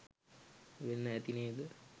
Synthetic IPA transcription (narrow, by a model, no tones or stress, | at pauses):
ʋenːəæt̪ineːd̪ə